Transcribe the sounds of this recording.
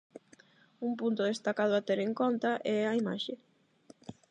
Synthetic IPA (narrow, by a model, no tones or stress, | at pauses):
umpunt̪ʊðest̪akað̞ʊat̪eɾeŋkont̪aʔɛaima̰ʃe